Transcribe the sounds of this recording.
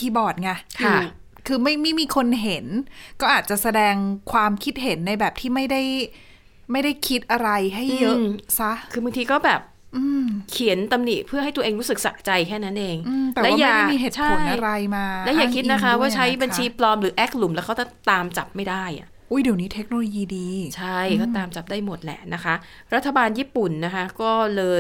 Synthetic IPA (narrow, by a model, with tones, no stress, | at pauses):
kʰiː˧bɔː˨˩t̪̚ŋa˧˩kʰː | kʰɯː˧ma˥˩jma˥˩jmiː˧kʰo˧nɦe˩˦nkɔː˥˩ʔaː˨˩t̪̚t͡ɕa˨˩sa˧dɛː˧ŋkʰwaː˧mkʰi˦˥t̪̚ɦe˩˦nːa˧jbɛː˨˩p̚t̪ʰiː˥˩ma˥˩jda˥˩j | ma˥˩jda˥˩jkʰi˦˥t̪̚ʔa˧ɾa˧jɦa˥˩jːɤ˦˥˧sa˦˥ʔkʰɯː˧ba˧ŋt̪ʰiː˧kɔː˥˩bɛː˨˩p̚ | ʔɯː˧mkʰi˩˦ənt̪a˧mni˨˩t̚pʰɯ˥˩a˥˩jt̪u˧ɐ˧ʔeː˧ŋɾu˦˥sɯ˨˩k̚sa̰˨˩ʔt͡ɕa˧jkʰɛː˥˩na˦˥nʔeː˧ŋɯː˧t̪lɛ˨wɛ˦˥aː˥jaː˥˨˩a˥˩miː˧ɦeː˨˩t͡ɕʰa˥o˨˥˩jnʔa˧ɾa˧jmaː˧lɛ˦˥jaː˨˩kʰi˦˥t̪̚na˦˥kʰa˦˥waː˥˩t͡ɕʰa˦˥jba˧nt͡ɕʰiː˧plɔː˧mɾɯː˩˦ʔɛː˦˥k̚lu˨˩˦mlɛː˦˥wkʰa˦˥tt͡ɕa˥˩t̪aː˧mt͡ɕa˨˩p̚ma˥˩jdaː˥˩jʔa̰˨˩ʔʔuː˦˥˩jdi˨˩˦wniː˦˥t̪ʰe˦˥k̚noː˧loː˧jiː˧diː˧t͡ɕʰa˥˩jkɔː˥˩t̪aː˧mt͡ɕa˨˩p̚daː˥˩jmo˨˩t̪̚lɛ̰˨˩na˦˥kʰa˦˥ʔ | ɾa˦˥t̪ʰːa˧baː˧njiː˥˩pu˨˩nːa˦˥kʰa˦˥kɔː˥˩lɤː˧j